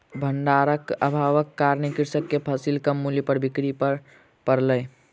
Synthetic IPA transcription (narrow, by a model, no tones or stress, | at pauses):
bʱəɳɖaɾəkə̰bʱaʋəkːaɾnikɪɾsəkːepʰəsilkəmːuljepəɾbikɾipəɾ | pəɾləː